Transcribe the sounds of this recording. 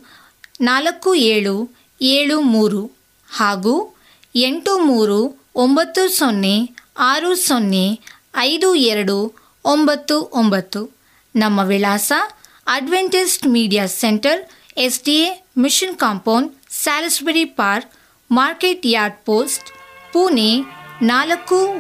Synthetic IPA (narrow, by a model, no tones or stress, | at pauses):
naːlɐkːueːɭu | eːɭumuːɾu | haːɡuː | eɳʈumuːɾu | ombɐt̪ːusonːeaːɾusonːe | ɐjd̪uɛɾɐɽu | ombɐt̪ːuʔombɐt̪ːu | nɐmːɐʋilaːsɐ | ɐɖʋeɳʈisʈmiːɖijaːseɳʈɐɾ | esɖiemiʂinkaːmpɐwnɖsaːlsbɐɾipaːɾk | maːɾkeʈjaːɾɖ̚poːsʈpuːnenaːlɐkːu